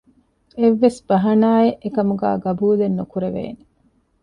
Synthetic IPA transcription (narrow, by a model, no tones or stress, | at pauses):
eʋːesb̥ɐɦɐnaːeʔekɐmuɡæ̰ːɡɐbuːlenːukuɾeʋḛːne